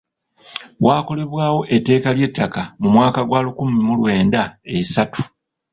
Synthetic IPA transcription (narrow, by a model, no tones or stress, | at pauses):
waːko̞le̞βwaːwo̞ʔe̞tːe̞ːkalje̞tːakamumwaːkaɡwaːlukumimulwe̞ːndaesatu̥